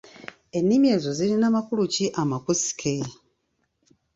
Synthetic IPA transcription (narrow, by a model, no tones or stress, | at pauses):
e̞nːimje̞ːzo̞zilinamakuluciʔamakusi̥kʰe